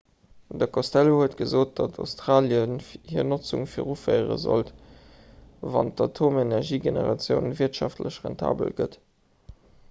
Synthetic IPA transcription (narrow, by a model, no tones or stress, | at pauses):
dəkʰostælohuətɡ̥əzoːt̚d̥ɑtʰaʊstʁaːljənhiənot͡sṵŋfiːʁufəɪʁə̰zo̰lt | vɑ̰ntɑtʰomenæʁʒiːɡenə̰ʁɑt͡sjəʊnviɐtʃɑftʰləɕʁɛ̰ntʰa̰ːbə̰lɡə̰t